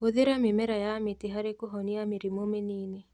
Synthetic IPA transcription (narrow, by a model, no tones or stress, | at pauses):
oðeɾamimɛɾajametiɦaɾekoɦɔniamiɾimomenine